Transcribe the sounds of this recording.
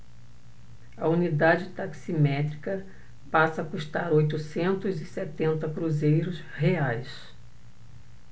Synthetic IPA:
ɐunid̪ad͡ʒɪt̪aksimɛt̪ɾikɐ | pasɐːkuʃt̪aɾojt̪usẽnt̪ʊzɪset̪ẽnt̪ɐkɾuzejɾʊs | heajs

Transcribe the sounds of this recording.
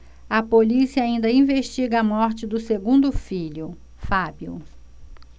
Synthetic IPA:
ɐpolisiɐaĩnd̪ɐĩveʃt͡ʃiɡɐɐmɔɾt͡ʃɪd̪ʊseɡũnd̪ʊfiʎʊ | fabiʊ̰

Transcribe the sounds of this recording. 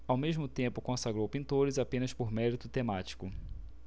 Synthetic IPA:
awmeʒmʊt̪ẽmpʊkõsaɡɾowpĩnt̪oɾɪzapẽnɐspoɾmɛɾit̪ʊt̪emat͡ʃi̥kʊ

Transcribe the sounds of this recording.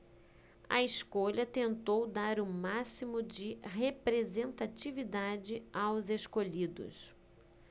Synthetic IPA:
ɐ̰iskoʎɐt̪ẽnt̪owd̪aɾʊmasimʊd͡ʒɪɦepɾezẽnt̪at͡ʃivid̪ad͡ʒɪawzeʃkoʎid̪ʊ̰s

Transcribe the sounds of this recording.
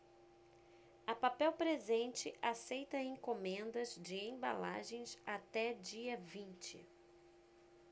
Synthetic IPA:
ɐpapɛwpɾezẽnt͡ʃɪʔasejt̪ɐẽŋkomẽnd̪ɐzd͡ʒɪẽba̰la̰ʒẽj̃sat̪ɛd͡ʒiɐvĩnt͡ʃɪ̰

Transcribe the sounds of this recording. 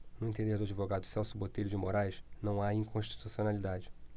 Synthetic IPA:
nʊẽt̪ẽnd̪ehd̪ʊad͡ʒivoɡad̪ʊsɛwsʊbot̪ejʎʊd͡ʒɪmoɾajʃnɐ̃w̃aĩŋkõʃt͡ʃi̥t̪usionalid̪ad͡ʒɪ

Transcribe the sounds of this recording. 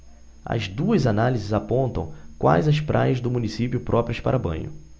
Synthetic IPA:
ɐ̰zd̪uɐzanalizɪzapõnt̪ɐ̃w̃kwa̰jzɐspɾʔajɐzd̪ʊmunisipjʊpɾʔɔpɾiɐspa̰ɾɐbɐ̰̃ɲ̃ʊ̰

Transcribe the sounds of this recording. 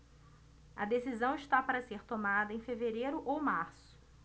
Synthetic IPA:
ɐ̰d̪esizɐ̃w̃iʃt̪apaɾɐseɾt̪omad̪ɐẽj̃feveɾejɾʊʔowmaɾsʊ̥

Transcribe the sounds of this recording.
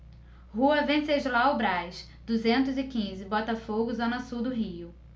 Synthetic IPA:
huɐvẽseʒlaʊbɾajʃ | d̪uzẽnt̪ʊzɪkĩzɪbɔt̪ɐfoɡʊzõnɐsuwd̪ʊɦiʊ

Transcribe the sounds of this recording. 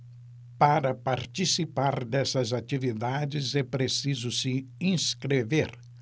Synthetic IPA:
paɾɐpaɾt͡ʃisipaɾd̪ɛsɐzat͡ʃivid̪ad͡ʒɪzɛpɾesizʊsɪĩskɾeveɾ

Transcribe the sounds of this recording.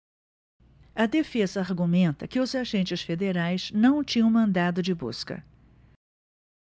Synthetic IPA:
ɐd̪efezɐaɾɡumẽnt̪ɐkɪʊzaʒẽnt͡ʃɪsfed̪eɾajz̥nɐ̃w̃t͡ʃĩɲɐ̃w̃mɐ̃nd̪ad̪ʊd͡ʒɪbṵskɐ̰

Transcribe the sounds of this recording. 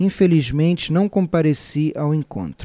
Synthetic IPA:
ĩfelizmẽnt͡ʃɪnɐ̃w̃kõmpaɾesiʔawẽŋkõ̰nt̪ɾ

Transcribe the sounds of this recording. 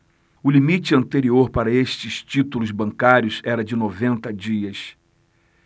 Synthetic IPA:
ʊlimit͡ʃɪɐ̃nt̪eɾioɾpaɾɐeʃt͡ʃɪst͡ʃit̪ulʊzbɐ̃ŋkaɾjʊzɛɾɐd͡ʒɪnovẽnt̪ɐd͡ʒiɐs

